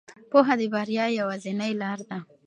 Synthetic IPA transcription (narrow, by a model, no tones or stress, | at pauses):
poɦad̪əbaɾjɑjawazɪnajlɑɾd̪a